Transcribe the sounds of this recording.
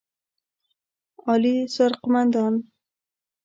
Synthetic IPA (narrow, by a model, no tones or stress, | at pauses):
ɒlisoɾqʊmand̪ɒn